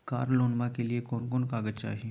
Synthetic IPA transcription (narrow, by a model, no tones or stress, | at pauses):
ka̰ːɾloːnmãkelɪiekoːnkoːnkaːɡəd͡ʒt͡ʃa̰ːɦi